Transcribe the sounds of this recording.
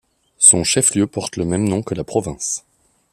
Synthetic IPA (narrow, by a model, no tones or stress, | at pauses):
sɔ̃ʃɛfljøpɔʁt̪ləmɛmnɔ̃kəlapχɔvɛ̃s